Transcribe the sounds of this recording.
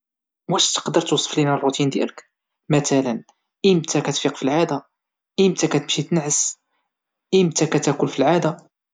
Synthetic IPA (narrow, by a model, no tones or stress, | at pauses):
wæʃt̪ə̥qd̪əɾˤt̪usˤːə̥flinærˤut̪ind̪jæ̰lək | mæt̪ælən | ʔimt̪ʰækæt̪fiqfilʕad̪æ | ʔimt̪ækæt̪əmʃit̪ənʕəs | ʔimt̪ækæt̪ækʊlfilʕad̪æ